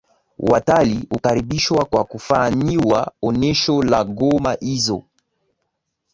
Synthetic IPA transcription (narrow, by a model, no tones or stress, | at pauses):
watalihukaɾibiʃwakwakufaniwaɔnɛʃɔlaɡɔmaʔizɔ̰